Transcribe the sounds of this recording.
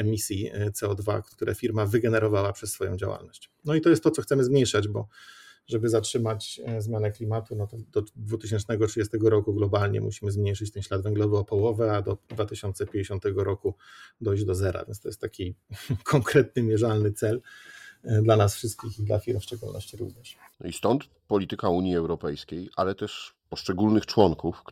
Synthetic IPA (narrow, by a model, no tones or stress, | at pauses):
ɛmʲisʲjit̪sɛɔd̪va̰ktt̪uɾɛ̰fʲiɾmavɘɡɛnɛɾɔvawapʂɛsːfɔjɔ̰̃w̃d͡ʑa̰wa̰lnɔɕt͡ɕnɔit̪ɔjɛst̪ːɔt̪sɔxt̪sɛmɘzmʲɲejʂad͡ʑbɔʐɛbɘzatʂɘmat͡ɕzmʲjanɛklʲimat̪unɔt̪ɔd̪ɔd̪vut̪ɘɕ̬ɛnt͡ʂnɛɡɔtʂɘd͡ʑɛst̪ɛɡɔɾɔkuɡlɔbalɲɛ̰mṵɕimɘzmɲejʂɘt͡ɕt̪ɛnɕlad̪vɛŋɡlɔvɘɔpɔwɔvɛad̪ɔd̪vat̪ɘɕɔnt̪sɛpʲj̃ɲd͡ʑeɕɔ̃nt̪ɛɡɔɾɔkud̪ɔjʑd͡ʑd̪ɔzɛɾa̰vʲjɛ̰nst̪ɔjɛst̪ːakʲikʰɔŋkɾɛt̪̚nɘmʲjɛʐalnɘt̪sɛl | d̪lanasfʂɘst̪̚kʲixid̪la̰fʲiɾmfʂt͡ʂɛɡulnɔ̰ɕt͡ɕiɾṵvɲɛʂ | ist̪ɔnt̪ | pɔlʲit̪ɘkauɲjiɛwɾɔpɛjskʲejʔa̰lɛt̪ɛʂpɔʂt͡ʂɛɡulnɘxt͡ʂwɔŋkuf